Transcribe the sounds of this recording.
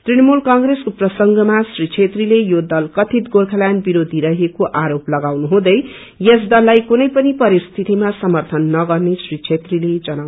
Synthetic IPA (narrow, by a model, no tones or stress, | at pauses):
t̪rinʌmulkaŋɡreskoprʌsʌŋɡʌmasrit͡ʃʰet̪rilejod̪ʌlkʌt̪ʰit̪ɡolkʰalanbiɾod̪ʱiɾʌɦekoʔaɾoplʌɡawnuɦũd̪ʌj | jesd̪ʌlːajkunʌjpʌnipʌɾist̪ʰit̪imasʌmʌrt̪ʰʌnːʌɡʌrnesrit͡sʰet̪riled͡zʌnaw